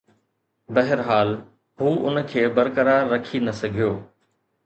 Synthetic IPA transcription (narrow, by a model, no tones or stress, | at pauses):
bɐɦɪɾɦaːl | ɦuːʊnkʰeːbɐɾkəɾaːɾːɐkʰinɐsɐɡʱijoː